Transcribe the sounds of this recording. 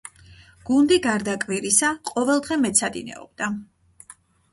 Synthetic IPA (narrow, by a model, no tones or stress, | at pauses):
ɡ̥und̪iɡaɾd̪akʼviɾisaqʼɔvɛlˠd̪ʁɛmɛt̪sʰad̪ḭnɛ̰ɔ̰b̥d̪̥a